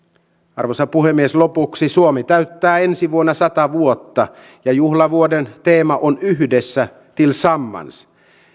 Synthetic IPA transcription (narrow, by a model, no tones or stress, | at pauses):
ɑ̰rʋosɑpuhemːieslo̞puksisuomit̪æɥt̪ːæːe̞nsiʋuonːɑsɑt̪ɑʋuot̪ːɑ | jɑjuhlɑʋuodent̪e̞ːmɑʔonyɦdesːæ | t̪ilsɑmːɑ̰ns